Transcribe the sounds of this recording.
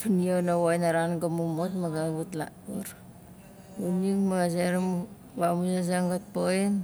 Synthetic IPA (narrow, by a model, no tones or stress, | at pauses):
pinionawajnaɾanɡamumotmaɡaβutla̰ | oɾ | unikmaɡaseɾm | βamusas̬aŋɡat̚poen